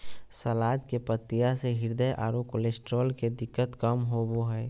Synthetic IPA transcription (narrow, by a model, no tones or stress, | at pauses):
səlaːd͡ʒ̪kepət̪ːijaseɦɪɾd̪əjʔa̰ːɾokolesʈɾoːlked̪ɪkːət̪kəmɦoboɦəj